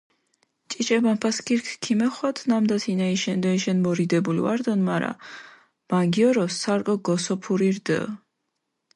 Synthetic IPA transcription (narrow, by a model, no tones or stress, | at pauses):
t͡ʃʼit͡ʃʼɛbanpʰaskʰiɾkʰkʰimɛχwat̪ʰnamd̪at̪ʰinaiʃɛnd̪ɔiʃɛnmɔɾid̪ɛbulḭa̰ɾd̪ɔnmaɾa̰ | b̥aŋɡiɔɾɔsːaɾkʼɔɡɔsɔpʰuɾiɾd̪ə̰